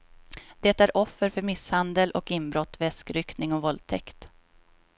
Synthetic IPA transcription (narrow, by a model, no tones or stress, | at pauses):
d̪̥ɛt̪æɾʔɔfːəɾfœɾmɪshand̪əlʔɔkɪnbɾɔt̪ːvɛskɾʏk̪nɪŋɔvɔlt̪ʰɛkt̪